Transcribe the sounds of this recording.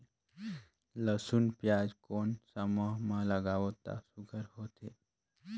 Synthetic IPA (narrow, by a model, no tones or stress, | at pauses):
ləsunpjad͡ʒkonsəmoɦmãləɡaʋot̪a̰suɡʰʱəɾɦot̪ʰe